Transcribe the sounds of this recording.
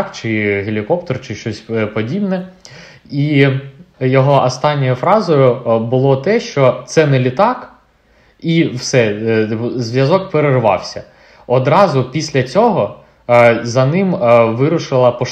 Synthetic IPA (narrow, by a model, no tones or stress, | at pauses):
kt͡ʃɪɦelʲikɔpt̪ɔrt͡ʃɪʃt͡ʃɔsʲpɔdʲibnɛ | i | jɔɦɔʔɔst̪ɑnʲːɔjʊfɾɑzɔjʊbʊlˠɔt̪ɛʃt͡ʃɔt̪sɛnɛlʲɪt̪ɑk | iwsɛ | zʋʲjɐzɔkpeɾerʋɑ̰wsʲɐ̰ | ɔd̪ɾɑzʊpʲisʲlʲɐt͡sʲɔɦɔ | zɐnɪmʋɪɾʊʃɪlˠɐpɔ